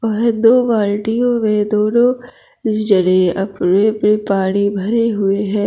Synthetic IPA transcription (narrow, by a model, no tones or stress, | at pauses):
ɔːɾd̪oːʋaːlʈijõmẽd̪oːnõ | d͡ʒəɽeɐpɾepnipaːɽ̃ibʱɐɾeɦʊeɦɛ̃ː